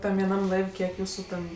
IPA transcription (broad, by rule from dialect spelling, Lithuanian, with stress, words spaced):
ˈtɐm ʋʲiɛˈnɐm ˈlˠɐɪw kʲiɛk ˈjuːsʊ tʲɛn